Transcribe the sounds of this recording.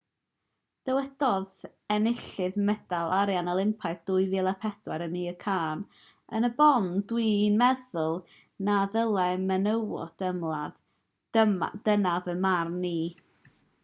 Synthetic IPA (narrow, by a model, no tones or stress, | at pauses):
d̥əwɛd̥ɔð | ɛnɪɬɨðmɛd̥alˠaɾjanəlˠɪmpʰaɨðd̥ʊːɨvɪlˠapʰɛd̥wɛɾəmiːəkʰaːn | ənəbɔndwiːnmɛðʊlˠ | naðəlˠɛmənəwɔ̰d̥əmlˠað | d̥ənavəmarnːiː